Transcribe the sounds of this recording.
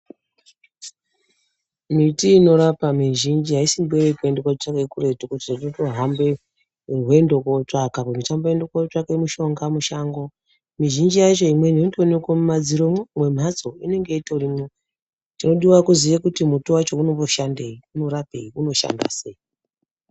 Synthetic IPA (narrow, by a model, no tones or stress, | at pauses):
mitiːno̞ɾapamiʒind͡ʒiɦaisimbuweɾekuendekwat͡ʃakekure̞tukuti̥tatotoɦambe | rwe̞ndo̞kot͡ʂakapomitambojendokoʈ͡ʂakemuʃo̞ŋɡamuʃaŋɡo̞ | miʒind͡ʒijat͡ʃo̞imwe̞nondonekwamumad͡ziɾomwe̞m̤at͡so̞ine̞ŋɡe̞itaurime | tino̞ɗiwakuzijakutimutuwat͡ʃo̞uno̞βoʃandeiuno̞ɾapḛiuno̞ʃa̰nda̰se̞i